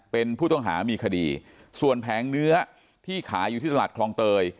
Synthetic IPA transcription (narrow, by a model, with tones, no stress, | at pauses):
pe˧npʰuː˥˩t̪ɔ˥˩ŋɦa̰ː˩˦miː˧kʰa˧diː˧ | su˨˩ənpʰɛː˩˦ŋnɯ˦˥ɐ | t̪ʰiː˥˩kʰaː˩˦ju˨˩iː˥˩t̪aː˨˩kʰlɔː˧ŋt̪ɤː˧j